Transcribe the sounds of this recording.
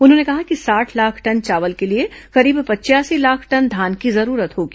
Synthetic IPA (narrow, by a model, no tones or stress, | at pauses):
ʊnɦõːnekɐɦakisaːʈʰlaːkʰʈɐnt͡ʃaːʋəlkelieqɐɾiːbpɐːt͡ʃjaːsilaːkʰʈɐnd̪ʱaːnkizɐɾuːɾət̪ɦoːɡiː